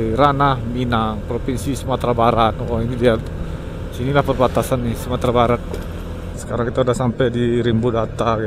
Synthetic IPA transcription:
iɾanahminaŋpɾopinsisəmat̪ɾabaɾat̪wainidiat̪ | sinilahpərbat̪asanːɪsəmat̪ɾabaɾək̪̚ | sə̥kaɾaŋkit̪audahsampɛjdiɾimbudat̪a

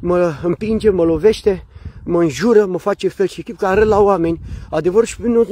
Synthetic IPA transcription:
məɨmpind͡ʒeməlove̞ʃt̪eməɨnʒuɾəməfat͡ʃefelʃikʲip̚kaɾət̪lawame̞nʲad̪e̞vəɾʃpnu

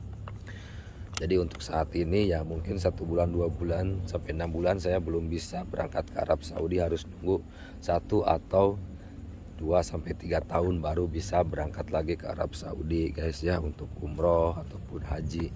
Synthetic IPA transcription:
d͡ʒadiunt̪ʊ̥ksaːt̪inijamuŋkɪnsat̪ubulanduabulansampajənambulansajabəlʊmbisabəɾʔa̰ŋkat̪̚kʰəa̰ɾab̚sa̰udiɦaɾʊsnuŋɡu | sat̪uʔa̰t̪aw | d̥uasampajt̪iɡat̪aʊnbaɾubisabəɾaŋkat̪laɡikəa̰ɾa̰b̚sa̰ṵdiɡajsjaunt̪ʊkumɾɔɦat̪awpʊnɦad͡ʒi

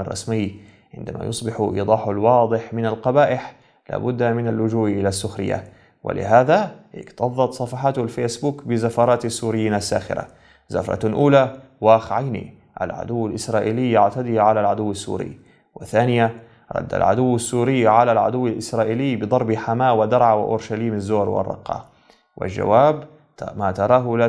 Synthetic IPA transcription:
rˤːɑ̰smɪjː | ʕɪ̰nd̪amʔa̰jʊsˤbɪħʔḭːd̪ˤɑːħalwɑːd̪ˤɨħmɪnalqɑbaːʔɪħ | la̰ːbʊd̪ːamɪnalːʊd͡ʒuːʔʔɪlasːʊxɾɪ̰jːa̰ | wɪ̰lɪ̰ɦaːðaʔɪ̰kt̪ɑðˤːɑt̪sˤɑfɑħɑːt̪lfeːsbuːkbɪzafɑɾˤɑːt̪asːuːɾɪjːiːnasːa̰ːxɪ̰ɾa̰ | za̰fɾˤɑ̰ʔuːla | waːxʕajnḭ | ʔa̰lʕa̰d̪ʊwːalʔɪsɾˤɑːʔiːlɪjːaʕt̪ad̪iːʕalalʕad̪ʊwːɪsːṵːɾɪ̰ː | wɪ̰θaːnɪja | ɾˤɑ̰d̪ːa̰lʕa̰d̪ʊwːɪsːuːɾɪːʕalalʕa̰d̪ʊwːɪlʔɪsɾˤɑːʔiːlɪːbɨd̪ˤɑɾˤbħamaːʔwɪd̪ɑɾˤʕawɪ̰ʔʊ̰ɾʃaliːmazːoːɾwɪ̰rˤːɑ̰qːɑ̰ | wɪ̰ld͡ʒa̰waːb | maːt̪ɑɾˤɑːɦla

